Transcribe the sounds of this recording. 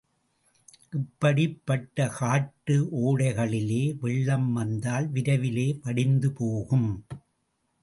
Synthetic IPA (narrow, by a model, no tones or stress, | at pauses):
ʔɪpːɐɽɪpːɐʈːɐkaːʈːɯʔoːɽɐɪɣɐɭɪleːʋɛɭːɐmʋɐnd̪aːlʋɪɾɐʋɪleːpɐɽɪnd̪ɯpoːɣɯm